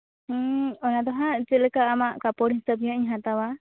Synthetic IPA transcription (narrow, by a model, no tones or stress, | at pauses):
ɔnad̪ɔɦaʔd͡ʒɛlɛkaʔːmaʔkapɔɽinsəpiɦəʔɲɦãt̪awa